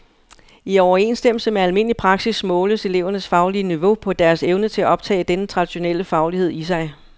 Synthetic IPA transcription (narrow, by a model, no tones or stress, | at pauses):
iɒʊɐe̝̰nsd̥em̰l̩səmeælme̝n̰əlipʰʁɑ̈ɡ̥sismɔ̽ːləse̝le̝ʊ̰ɐnəsfɑ̈ʊliəniʋo̝pʰɒ̽d̥æɐseʊnət͡sʰe̝læʔɒ̽b̥̚t͡sʰɛ̰ːɪd̥enət͡sʰʁɑ̈d̥iɕo̝nel̰əfɑ̈ʊlihe̝ð̞̰ˠisɑ̈ɪ